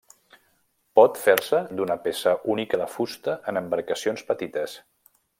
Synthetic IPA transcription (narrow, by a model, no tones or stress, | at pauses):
pɔt̪feɾsəd̪unəpesəʔunikəðəfust̪əʔənəmbəɾkəsionspət̪it̪əs